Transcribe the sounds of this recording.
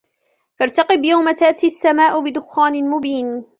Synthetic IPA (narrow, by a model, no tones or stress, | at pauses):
fɑɾˤt̪ɑqɨbjawmat̪aːt̪iasːamaːʔʊbɪd̪ʊxːaːnɪmʊbiːn